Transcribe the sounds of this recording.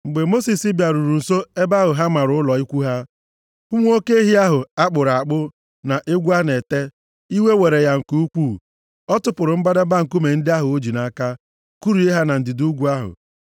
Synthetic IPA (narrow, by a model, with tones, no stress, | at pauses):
ŋ͡m̩˨ɡ͡be˨mo˦si˨si˦bja˨ɾu˨ɾu˨n̩˨so˦e˦ba˦ɦʊ˨ɦa˦ma˨ɾʊ˦ʊ˦lɔ˨i˦kʷu˦ɦa˦ | ʊ˦ŋʷ˦o˦ke˦e˦ɦi˦a˦ɦʊ˨a˦k͡pʊ˨ɾa˨k͡pʊ˦ | na˨ʔe˦ɡʷu˦a˦ne˨te˦ | i˦we˦we˨ɾe˨ja˨ŋ̩˨ku˦u˦kʷu˦˨ | ɔ˦tʊ˦pʊ˨ɾʊ˨m̩˦ba˦da˦ba˦ŋ̩˨ku˦me˨n̩˦dɪ˦a˦ɦʊ˨o˦d͡ʒi˨na˨ka˦ | ku˦ɾu˨˦e˦ɦa˦na˨n̩˨dɪ˨du˦ɡʷu˦a˦ɦʊ̰˨